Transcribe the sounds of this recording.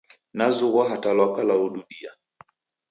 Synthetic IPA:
nazuɣwaɦatalwakalauɗuɗia

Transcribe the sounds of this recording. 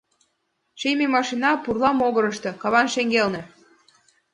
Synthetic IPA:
ʃejmemɑʃinɑpurlɑmoɣɤ̆ɾɤ̆ʃt̪ɤ̆kɑβɑnʃeŋɡelnĕ

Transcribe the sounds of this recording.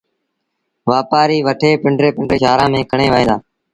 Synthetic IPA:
ʋaːpaːɾiːʋəʈʰeːpɪɳɖɾeːpɪɳɖɾeːʃaːɾãːmẽːkəɳeːʋaːeːd̪aː

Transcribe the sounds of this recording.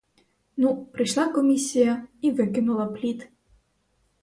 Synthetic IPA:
nupɾɪʃlˠɑkɔmʲisʲijɐiʋɪkɪnʊlˠɐplʲit̪

